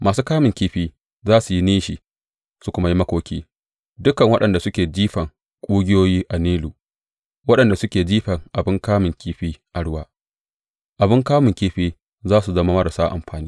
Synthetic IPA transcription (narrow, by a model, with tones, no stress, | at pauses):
mʔaː˨suː˦kaː˦mɪ˨ŋkʲiː˦ɸiː˦ | zaː˦su˨ji˦niː˦ʃi˨ | su˦kʷʊ˦ma˦ji˦mɐ˦kʷoː˦kʲʰiː˦ | dʊ˦kɐ˨ŋwɐ˦ɗɐ˨nda˨sʊ˦kʲeː˨d͡ʒiː˦ɸɐ˨ŋ | kʷʼuː˦ɡʲɪ˦joː˦jiː˦ʔa˨niː˦luː˨ | wɐ˦ɗɐ˨nda˨sʊ˦kʲeː˨d͡ʒiː˦ɸɐ˨ŋʔa˨bɪ˦ŋkaː˦mɪ˨ŋkʲʰiː˦ɸiː˦ʔa˨ɽʊ˦waː˦ | ʔa˨bɪ˦ŋkaː˦mɪ˨ŋkʲiː˦ɸiː˦ | zaː˦su˨zɐ˦ma˦mɐ˦ɾa˨saː˦ʔa̰˨mɸaː˨niː˦